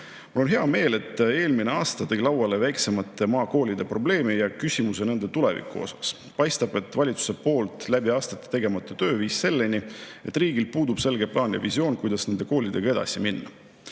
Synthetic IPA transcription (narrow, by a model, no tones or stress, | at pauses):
mulo̞nɦe̞ɑme̞ːle̞t̪ːˑe̞ːlmine̞ɑːst̪ɑd̪elɑwwɑle̞væjksemɑt̪ːˑe̞mɑːko̞ːlid̪e̞pro̞ble̞ːmejɑkysʲimuse̞ne̞nd̪et̪ule̞̰vḭkˑṵo̞̰sɑ̥s | pɑjst̪ɑb̥e̞t̪vɑlʲit̪su̥se̞po̞ːlt̪ˑlæbiɑːst̪ɑ̥t̪ːˑe̥t̪e̞ɡ̥e̞mɑt̪ːˑot̪ø̞ːviːsse̞lːe̞nʲie̞t̪ːˑriːɡilpuːd̪ub̥se̞lɡe̞plɑːnjɑ̰visio̞ːnkujd̪ɑsnend̪e̞ko̞ːlid̪̥e̞ɡɑe̞d̪̥ɑ̰siminːɑ̰